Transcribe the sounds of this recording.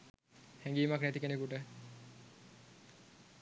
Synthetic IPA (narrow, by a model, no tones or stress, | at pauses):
hɛŋɡiːmaknet̪ikeneɡuʈe